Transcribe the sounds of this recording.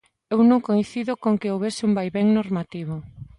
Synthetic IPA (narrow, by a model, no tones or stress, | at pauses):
ewnõŋkojθiðokoŋkeowβesɪumbajβeŋnoɾmat̪iβ̞o